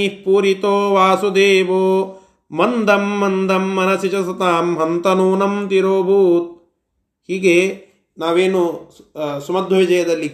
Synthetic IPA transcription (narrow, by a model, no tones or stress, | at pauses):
ihpuːɾit̪oːʋaːsud̪eːʋoː | mɐnd̪ʱɐmːɐnd̪ʱɐmːɐnɐsit͡ʃɐsɐt̪aːmɦɐnt̪ɐnuːnɐmt̪iɾoːbʱuːt̪̚ | hiːɡe | naːʋeːnu | sumɐd̪ʱːoʋid͡ʒɐjɐd̪ɐlːi